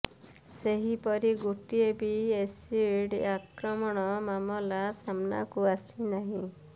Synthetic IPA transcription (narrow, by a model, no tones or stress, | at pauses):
seɦipɔɾiɡuʈiebiesiɽakɾɔmɔɽ̃ɔmamɔlasamna̰kuasinaɦĩ